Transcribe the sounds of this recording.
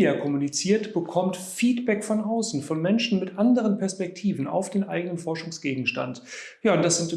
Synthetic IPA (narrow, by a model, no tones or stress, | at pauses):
akʰɔmunit͡siːɐtb̥əkʰɔmtfiːtb̥ɛkfɔnʔaʊsn̩fɔnmɛnʃn̩mɪtʔandəʁənpʰɛɐspɛk̚tʰiːvn̩a̰ʊfd̥eːnʔaɪɡənənfɔɐʃʊŋsɡ̥eːɡŋ̩ʃta̰nt | jaːʊnt̚d̥asz̥ɪnt